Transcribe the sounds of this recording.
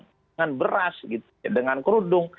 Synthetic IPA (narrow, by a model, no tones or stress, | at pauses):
ŋanbəɾasɡit̪ | adəŋankəɾudʊŋ